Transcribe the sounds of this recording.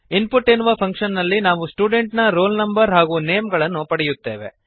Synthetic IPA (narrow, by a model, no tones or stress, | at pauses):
inpuʈːenːuʋɐpʰɐŋkʂɐnːɐlːinaːʋusʈuːɖe̞ɳʈnɐɾoːlnɐmbɐɾɦaːɡuːneːmɡɐɭɐnːupɐɽɛjut̪ːe̞ːʋe̞̰